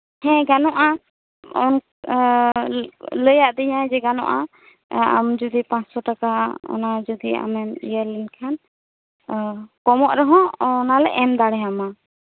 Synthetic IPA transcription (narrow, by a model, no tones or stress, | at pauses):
hɛ̃ɡanɔʔa | ɔn | ləjaʔd̪ɛɲad͡ʒɛɡanɔ̰̃ʔa | a̰md͡ʒud̪ipãt͡ʃsɔʈakaɔ̰nad͡ʒud̪ia̰mɛnḭjəɾlinkʰan | kɔmɔʔɾɔɦɔ̃nalɛ̰ʔɛmd̪aɽɛɦama